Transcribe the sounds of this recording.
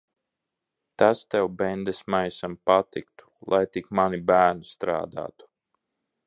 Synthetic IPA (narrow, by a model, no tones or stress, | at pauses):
t̪ast̪ɛwbɛnd̪esmajsampat̪ikt̪u̥lˠʔajt̪ikmanibæːɾnust̪ɾa̰ːd̪a̰ːt̪u̥